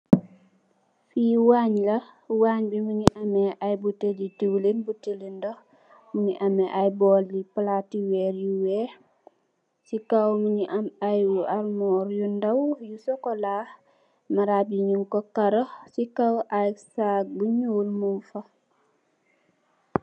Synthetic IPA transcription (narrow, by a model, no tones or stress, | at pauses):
fiːwaɲlɐwaːɲbimuɲiʔameʔajbutelitiwlenbutelendɔ | muɲiʔamɛʔajbɔlːiplatiwɛɾjuwɛ | sikawmuɲiʔamajwuʔalmɔːɾjundawjusɔkɔlaːh | maɾabiɲuŋkɔkaɾosikawʔajsak̚buɲuːlmunfa